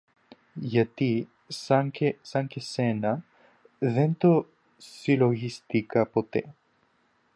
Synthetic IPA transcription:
ʝɐt̪i | saŋkesɐŋkesenɐ | ðent̪o | siloɣist̪ikɐpot̪ḛ

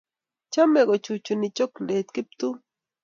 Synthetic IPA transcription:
t͡ʃameɢot͡ʃut͡ʃʊnɪt͡ʃoklet̪kɪp̚t̪ʊ

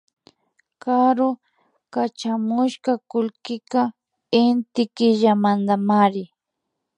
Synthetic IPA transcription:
kaɾo | kat͡ʃamʊʃkakʊlkɪka | ɪnt̪ɪkɪʒamand̪amaɾɪ

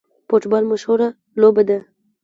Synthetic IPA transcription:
poʈbɑlmoʃoɾa | lobad̪a

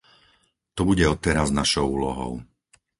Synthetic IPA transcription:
t̪ɔbuɟɛɔt̪ɛɾaznaʃɔʊuːlɔɦɔ̰ʊ

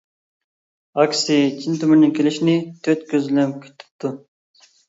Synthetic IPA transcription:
ɑkʲsit͡ʃʰint̪ʰymyɾnɪŋkʲʰelɪʃnɪt̪ʰøt̪kʲøzlɛmkʲʰy̥t̪ʰːy̥p̚t̪ʰu

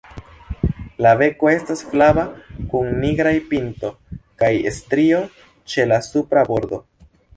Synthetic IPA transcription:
lave̞ko̞e̞stasflabakuŋniɡɾajpinto̞kajḛstɾio̞ | t͡ʃe̞lasupɾabo̞ɾd̪o̞

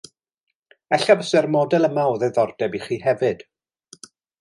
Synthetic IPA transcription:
ɛɬabəsɛrmɔdɛlˠəmaɔðɛðɔrdɛbiχiːhɛvɨd̥

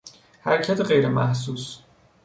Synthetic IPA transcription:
hæ̰ɾcʰæt̪ʰeɢejɾemæ̰hs̬uːs

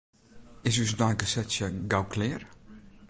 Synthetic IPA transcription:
ɪs̬ys̬dɔjkəsɛtsjəɡawkʰlɪːr

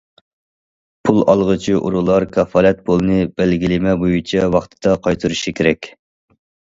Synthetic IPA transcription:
pʰulˠɑ̰lˠʁət͡ʃʰiʔṵɾulˠɑɾkʲʰɑfɑːlɛt̪̚bolˠɨnɨb̥ɛlɡʲilɪmɛbojut͡ʃʰɛwɑχt̪ʰɨ̥d̪̥ɑqʰɑjt̪ʰɨɾuʃikʲʰeɾɛkʲ

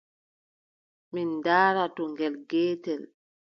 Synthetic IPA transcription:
mindaːɾatɔŋɡɛlɡɛːtɛl

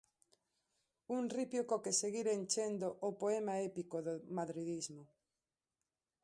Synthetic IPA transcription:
unripjokokeseɣiɾent͡ʃend̪oʔopoemaepikoðomaðɾiðizmo

